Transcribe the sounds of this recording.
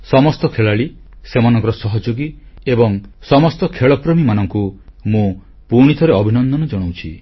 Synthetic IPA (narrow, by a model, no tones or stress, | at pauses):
sɔmɔst̪ɔkʰeɭaɭisemanɔŋkɔɾɔsɔɦɔd͡ʒoɡiebɔŋsɔmɔst̪ɔkʰeɭɔpɾɔmimanɔŋkumũ | puɾɽ̃it̪ʰɔɾeɔbʱinɔnd̪ɔnɔd͡ʒɔɽ̃owt͡ʃʰḭ